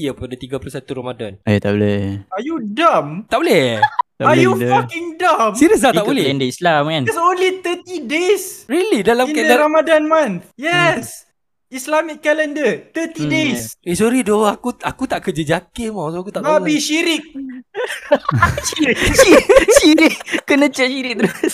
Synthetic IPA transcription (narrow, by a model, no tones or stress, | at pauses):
iəppadət̪iɡapulusat̪uɾamadanajt̪a̰ʔbolɛhajudamt̪aʔbolɛht̪a̰ajufakiŋdamsiɾəks̬laht̪aʔbbolɛɛndəislamkãnsonlit̪ət̪idesɹilidalaminkɛdəɾamadanmãnt̪jɛs | islamikːɛlɛndət̪ət̪idesesɔɾidoakuakut̪aʔkəd͡ʒəd͡ʒakemasoakut̪aʔabiʃiɾik̚ | iɾikʃiɾikːənə̃t͡ʃəʃiɾik̚t̪əɾʊs